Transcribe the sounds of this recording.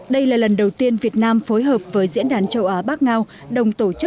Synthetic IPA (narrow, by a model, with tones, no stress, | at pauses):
ɗə˧jlaː˨˩lə˨˩nɗə˨˩wt̪i˧ənvi˨˩ət̚naː˧mfo˨˦jɦəː˨˩p̚vəː˨˦jzḭ˧˥ənɗaː˨˩nt͡ɕə˧wʔaː˨˦ɓaː˦˥k̚ŋaː˧w | ɗə˨˩wŋ͡mt̪o˧˩t͡ɕɨ˦˥k̚